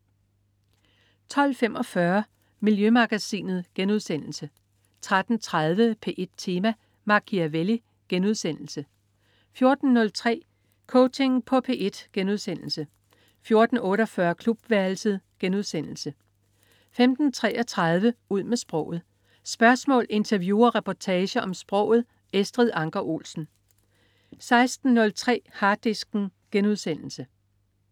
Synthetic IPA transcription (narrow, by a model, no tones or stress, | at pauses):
t͡sʰɒ̽l̰fem̰ʔɒ̽fɶɐ | miljømɑ̈ɡ̥æsḭːnð̩ˠɡ̥enuð̞ˠsen̰l̩sə | t͡sʰʁad̥n̩t͡sʰʁað̞ˠʋəpʰe̝ʔe̝d̥̚t͡sʰe̝ːmæ | mɑ̈kʰiæʋeli | ɡ̥enuðˠsen̰l̩sə | fjo̝ɐd̥n̩ːɔ̽lt͡sʰʁɛ̰ː | kʰɔʊt͡sʰe̝ŋpʰɒ̽pʰe̝ːʔe̝d̥ɡ̥enuð̞ˠsen̰l̩sə | fjo̝ɐd̥n̩ɔ̽ːɾɒfɶɐkʰlub̥ʋæɐlsəð̩ˠɡ̥enuð̞̰ˠsen̰l̩sə | femd̥n̩t͡sʰʁɛ̰ːɐt͡sʰʁɑð̞ˠʋəuð̰ˠmesb̥ʁɔ̽ʊ̰ð̞̩ˠ | sb̥ɶɐsmɔ̰̽ːle̝nt͡sʰɐʋjṵːɐʁapʰɒt͡sʰɛːɕəʔɒ̽msb̥ʁɔ̽ʊ̰ð̞̩ˠ | esd̥ʁiðˠɑ̈ŋɡ̥ɐʔo̝̰ːlsn̩ | sɑ̈ɪsd̥n̩ːɔ̽lt͡sʰʁɛ̰ːhɑ̈ːd̥isɡ̥n̩ɡ̥enuðˠsen̰l̩sə